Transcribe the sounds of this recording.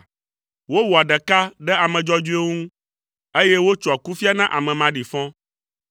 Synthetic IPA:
wo˦wo˨a˨ɖɛ˨ka˦ɖɛ˦a˨mɛ̃˨d͡ʒɔ˦d͡ʒu˦e˦ŋũ˦ | e˦jɛ˦wo˦t͡ʃɔ˨a˨ku˦fi˦a˦nã˦ʔa˨mɛ̃˨mã˨ɖi˨fɔ̃˦

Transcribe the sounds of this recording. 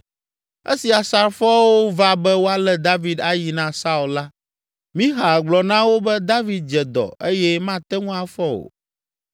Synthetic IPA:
ḛ˦si˨a˨sa˨ɾfɔ˦wo˦va˦bɛ˦wo˦a˨lɛ˦d̪a˦vi˨d̪a˦ji˨nã˦sa˦u˨lla˦ | mĩ˦ɦa˨ɡ͡blɔ˨nã˦wo˦bɛ˦d̪a˦vi˨˦d̪̚d͡ʒɛ˨d̪ɔ̰˨e˦jɛ˦mã˦t̪ɛ˦ŋũ˦a˨fɔ˦wo̰˨

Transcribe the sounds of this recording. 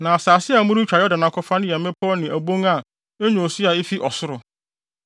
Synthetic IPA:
nã˨a˨saː˨sɪ˦a˨mʊ̃˦ɾʊ˦t͡ɕᶣa˨˦ɔ˦da˨nã˨kʰɔ˦fã˦ñ˦jɛ˨mɪ̃˦pʰɔ˦nɪ̃˨ʔæ˨bõ˦ŋa˨ | e˦ɲõ˨sɪ˦a˨ɪ˦fi˦ʔɔ˨sʊ˦ɾʊ˨

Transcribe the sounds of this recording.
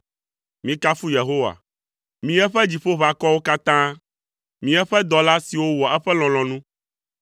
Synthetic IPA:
mĩ˦ka˦fu˦je˨ɦo˦wa̰˨ | mĩ˨˦ɛ˦ɸɛ˦d͡ʑi˨ɸo˦βa˨kɔ˦wo˦ka˦t̪ã˦ | mĩ˨ɛ˦ɸɛ˦d̪ɔ˨la˦si˨wo˦wɔ˨ɛ˦ɸɛ˦l̃ɔ̃˨lɔ̃˨nũ˦

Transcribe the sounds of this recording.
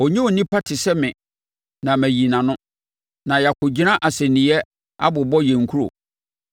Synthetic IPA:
ɔ˨ɲĩ˦o˨nĩ˦pʰa˦tʰɪ˨sɛ˦mɪ̃˨ | nã˨mæ˨ji˨nã˨nʊ̃˦ | nã˨ja˨kʰʊ˨d͡ʑi˦nã˦ʔa˨sɛ˨nɪ̃˨ɛ˦ | a̰˦bʊ˨bɔ˦jɛ̃˨ŋ˨kʰu˦ɾo̰˨

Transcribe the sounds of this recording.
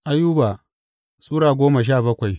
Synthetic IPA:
ʔa˦juː˦baː˨ | sʼuː˦ɽaː˨ɡʷoː˦ma˨ʃ̬aː˦˨bɐ˦kʷa˨j

